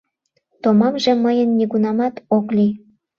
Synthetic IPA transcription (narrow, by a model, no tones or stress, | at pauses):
t̪omɑmʒeməjənːiɣunɑmɑt̪okli